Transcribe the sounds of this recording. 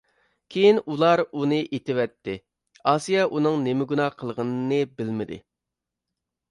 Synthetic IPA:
kʲʰejinulˠɑɾunɨʔet̪ɪwɛt̪ʰːɪ | ɑːsijɑʔunɨŋnemɪɡunɑːqʰəlˠʁənɨnɨbɪlmɪd̪ɪ̰

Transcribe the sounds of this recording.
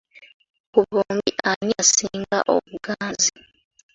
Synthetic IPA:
kuβoːmbiʔaɲasiːŋɡa̰ʔo̰βuɡaːnzi

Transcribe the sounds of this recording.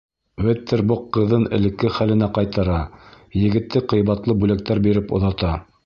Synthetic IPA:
wɘt̪ːɘɾboqːɤ̆ðɤnɘ̆lɘ̆kːɘχælɘ̆næqɑjt̪ɑɾɑ | jɘ̆ɡɘ̆t̪ːɘqɤ̆jβɑt̪lˠɤbʉlæk̚t̪æɾbiɾɘpŏ̰ðɑt̪ɑ

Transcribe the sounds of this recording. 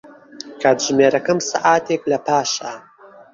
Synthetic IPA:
kʰaːt̪ʒmeːɾɐkɐmsaʔaːt̪ʰeklɐpʰaːʃaː

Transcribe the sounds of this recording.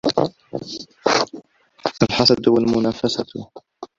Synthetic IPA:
ʔalħɑsˤɑd̪ʊwalmʊnaːfasat̪

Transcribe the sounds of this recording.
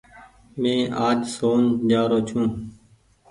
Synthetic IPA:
mẽːʔaːd͡ʒsoːnd͡ʒaːɾoːt͡ʃʰũː

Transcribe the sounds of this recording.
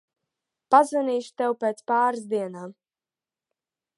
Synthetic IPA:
pazvaniːʃu̥t̪ɛwpeːt̪spaːɾsd̪iɛnaːm

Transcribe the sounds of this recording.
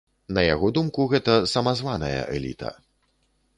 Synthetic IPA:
nɐjaɣɔd̪umkuɣɛt̪ɐsɐmazvanɐjɐ̰ʔɛ̰lʲḭt̪ʰɐ̰

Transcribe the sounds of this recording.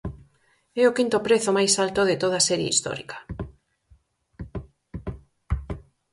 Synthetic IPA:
ɛokint̪opɾeθomajsalt̪oðɪt̪oð̞asɛɾjḛḭst̪ɔ̰ɾḭkɐ̥

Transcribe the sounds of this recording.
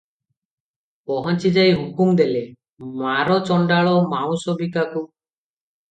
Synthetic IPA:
pɔɦɔnt͡ʃid͡ʒajɦukumd̪ele | maɾɔt͡ʃɔɳɖaɭɔmaw̃sɔbʱikaku

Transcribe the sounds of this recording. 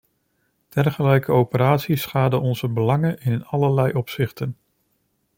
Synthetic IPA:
d̥ɛrχəlɛjkʰəowpəɾaːtsisχaːdəɔnzəbəlɑŋənɪnɑləlɛjʔɔpsɪχtən

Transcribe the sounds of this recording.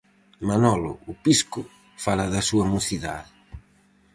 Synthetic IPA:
manɔlʊ̰ʊpiskʊ | falaðɐsuɐmuθiða̰ðɪ

